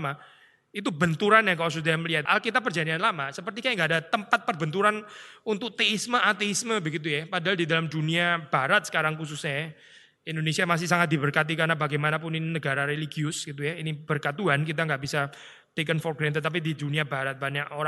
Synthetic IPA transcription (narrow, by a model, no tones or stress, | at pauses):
ma | it̪ubənt̪uɾanjakalas̬usd̪aaməliɦat̪alkit̪̬apːərd͡ʒadianlamasəpərt̪ikajaŋɡaadat̪əmpat̪̚pərbənt̪uɾanunt̪ʊk̚t̪eisməʔat̪eisməbəɡit̪̬ujapadaɦaldidalamduniab̥aɾat̪̚sə̥kaɾaŋkus̬usɲaja | indonesiamas̬ɪhsaŋat̪̚d̪ibərkat̪̬ikarnabaɡajmanap̬ʊniinəɡaɾaɾeliɡiʊsɡit̪̬ujainib̥ərkat̪uankit̪̬aŋɡaʔbisa | t̪ekənfɔrɡɾant̪̬ət̪ap̬ididuniabaɾat̪̚baɲakoɾa